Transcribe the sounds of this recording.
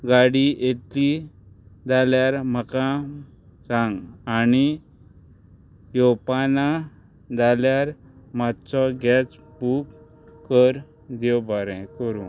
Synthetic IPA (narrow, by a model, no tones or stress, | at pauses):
ɡaɽiet̪i | d͡zaljaɾm̤əkã | t͡sãŋɡani | jɔpana | d͡zaljaɾ | mat̪t͡sɔɡɛt͡s | buk | kːəɾ | d̪ɔwbaɾɛ̃kəɾũ